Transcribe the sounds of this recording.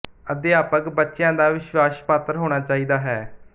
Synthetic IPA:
əd̪ɪjaːpəkbətːʃɪjãːd̪aːʋɪʃwaːʃpaːt̪əɾɦoːɽ̃aːt͡ʃaːiːd̪aːɦɛː

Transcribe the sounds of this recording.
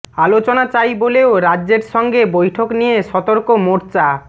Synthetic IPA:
alot͡ɕonat͡ɕajboleoɾaːd͡ʑeɾʃɔŋɡebojʈʰoknijeʃɔt̪oɾkomoɾt͡ɕa

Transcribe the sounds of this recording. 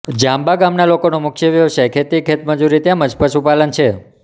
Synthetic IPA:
d͡ʒãmbaɡamnalokonumʊkʰjəʋjəʋʃajkʰet̪ikʰet̪məd͡ʒuɾit̪jãməd͡ʒpəʃupalənt͡ʃʰe

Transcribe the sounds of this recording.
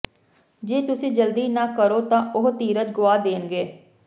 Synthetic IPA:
d͡ʒeːt̪ʊsĩːd͡ʒəld̪iːnãːkəɾoːt̪ãːʔʊɦt̪iːɾət̪ɡʊaːd̪eːnɡeː

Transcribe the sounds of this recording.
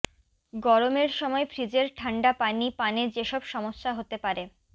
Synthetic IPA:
ɡɔɾomeɾʃɔmɔefʰɾid͡ʑeɾʈʰaɳɖapanipaned͡ʑeʃɔbʃɔmoʃːaɦot̪epaɾe

